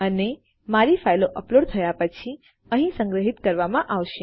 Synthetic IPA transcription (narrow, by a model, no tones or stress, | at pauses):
əne | maɾifʰajloʔəploɽt̪ʰəjapət͡ʃʰi | ə̃ɦĩsə̃ŋɡɾəɦit̪kəɾʋamãʔaʋʃe